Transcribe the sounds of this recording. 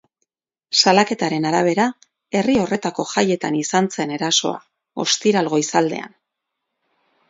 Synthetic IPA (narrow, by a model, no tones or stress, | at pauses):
salake̞t̪aɾe̞naɾaβ̞e̞ɾa | e̞rio̞re̞t̪ako̞ʝaje̞t̪anisant͡se̞ne̞ɾaso̞̰a̰ | o̞̰st̪iɾalɣo̞isald̪e̞̰a̰n